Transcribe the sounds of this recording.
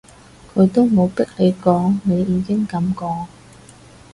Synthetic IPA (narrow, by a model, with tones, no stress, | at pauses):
kʰɵ˨˧ɥt̪o˥wmo˨˧wpɪ˥k̚le˨˧jkɔː˨˧ŋne˨˧jːiː˨˧kɪ˥ŋkɐ˨˧mkɔː˧